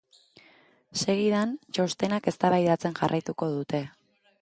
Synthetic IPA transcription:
se̞ɣiðant͡ʃo̞st̪e̞nake̞st̪aβajðat͡se̞nʝarʔajt̪uko̞ðut̪e̞

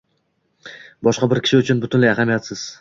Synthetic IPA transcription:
bɒʃqɑbɪɾkʲɪ̥ʃɪʊt͡ʃʰʊnbʊt̪ʰʊnlajaɦamijat̪sɪz̥

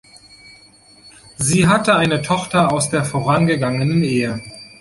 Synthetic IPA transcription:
ziːɦatəaɪnətʰɔχtɐaʊsd̥eːɐfoːʁ̞anɡəɡaŋənənʔeːə

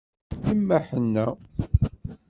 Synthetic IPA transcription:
imːæħənːæ

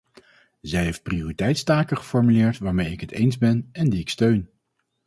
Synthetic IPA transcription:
zɛjɦejft̚prioritɛjtstaːkəχə̥fɔɹmylɪːɹtʋaːɹmejɪkɦətḛjnzbɛnɛndiɪkstøɥn

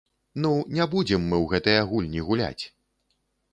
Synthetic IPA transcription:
nunʲabud͡zʲɛmːɨwɣɛt̪ɨjaɣulʲnʲiɣulʲa̰t͡sʲ

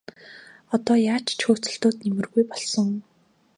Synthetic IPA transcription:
ɔt̪ɔːjaːt͡ɕt͡ɕxoːt͡sɵ̆ɬt̪oːt̪nemɘ̆rɣujpɔɮsɞ̆ŋ

